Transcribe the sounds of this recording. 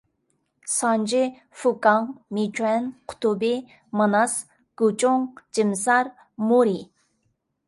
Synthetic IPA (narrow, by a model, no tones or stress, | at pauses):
sɑnd͡ʒɪ | fukɑŋmit͡ʃʰʼwɛnqʰʊ̥t̪ʰubɪ | mɨnɑs | ɡ̥ut͡ʃʼʊŋd͡ʒɪmsɑɾ | muɾi